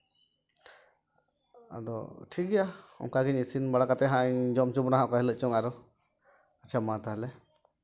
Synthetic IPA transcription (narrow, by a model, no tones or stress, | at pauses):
a̰d̪ɔ̰ʈʰik̚ɡɛjaɔ̰ŋkaɡiɲisinbaɽakat̪ɛɦaɲd͡ʒɔmt͡ʃubnaɦãʔkɔɦɛləʔ̚t͡ʃɔŋaɾɔ | at͡ʃʰamat̪aɦlɛ